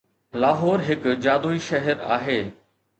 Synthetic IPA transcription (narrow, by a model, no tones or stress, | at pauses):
laːɦɔːɾɦɪkd͡ʑaːd̪oːiʃɐɦɛɾa̰ːɦeː